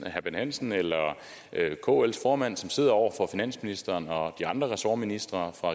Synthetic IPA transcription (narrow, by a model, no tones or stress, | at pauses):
hæb̥enhæn̰sn̩elɐ | økʰo̝̰ːel̰sfɒːmæn̰sɒ̽mse̝ð̞̰ˠɐɒʊ̰ɐfɒ̽finæn̰sminisd̥ɐːnɒ̽d̥iɑ̈nd̥ʁɐʁɛsɒːminisd̥ʁɐfʁɑ̈